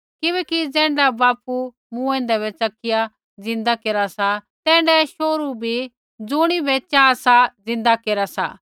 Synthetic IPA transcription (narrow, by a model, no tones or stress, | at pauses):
kɪbɛːkid͡zɛ̃ːɳɖabaːpu | mũɛ̃ːnd̪ɛβɛt͡sɐkɪja | d͡zɪ̃nd̪akeːɾasat̪ɛ̃ːɳɖɛʃoːɾubʱi | d͡zʊɽ̃ibɛt͡ʃaːsad͡zɪ̃nd̪akeːɾasa̰